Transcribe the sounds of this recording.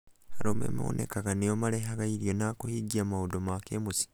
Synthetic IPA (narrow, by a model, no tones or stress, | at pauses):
haɾoːmḛmiwo̰nʔḛkaɡaneomaleɦaɡaiɾjonakohiɟiamaudomakemusi̥